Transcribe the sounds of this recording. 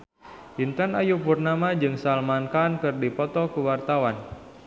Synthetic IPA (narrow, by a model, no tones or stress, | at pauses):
jint̪anajupurnamad͡ʒɨŋsalmankaːnkɨrdipɔt̪ɔkuwart̪awan